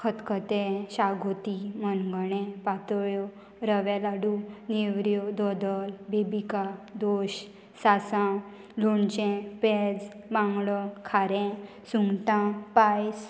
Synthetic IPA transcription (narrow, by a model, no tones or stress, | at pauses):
kʰət̪kʰət̪ɛ̃ɕaɡʱot̪imənɡəɳɛ̃pat̪ɔjo | ɾəʋɛlaɖuneʋɾjod̪ɔd̪əlbebikad̪oɕ | sasã | loɳt͡ɕɛ̃pɛd͡z | bãŋɡɭɔkʰaɾɛ̃ | suŋɡt̪ãpajs